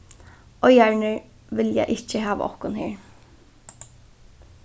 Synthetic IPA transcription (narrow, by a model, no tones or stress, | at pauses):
ɔjæɹɳɪɹ | ʋɪljæ̰ɪʔɪt͡ʃːəɦæːʋ̰ɔ̰hkʊnheːɹ